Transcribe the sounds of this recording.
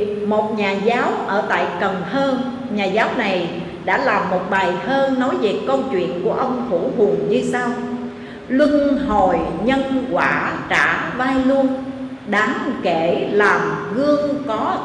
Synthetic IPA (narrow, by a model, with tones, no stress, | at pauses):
mo˨˩t̚ɲaː˨˩zaː˨˦wʔəː˧˩t̪a̰ː˧˨jkə˨˩nhəː˧n | ɲaː˨˩zaː˨˦wna˨˩j | ɗa̰ː˧˥laː˨˩mːo˨˩t̚ɓaː˨˩jhəː˧nɔ˨˦jzi˨˩ət̚kə˧wt͡ɕwḭ˧˨ənku˧˩əʔə˧wŋ͡mxʰu˧˩hʊ˨˩əŋɲɨ˧saː˧w | lwɨ˧ŋho˨˩jɲə˧nkwaː˧˩t͡ɕa̰ː˧˩˨vaː˧jlu˧ən | ɗaː˨˦ŋke˧˩laː˨˩mɣɨ˧əŋkɔ˨˦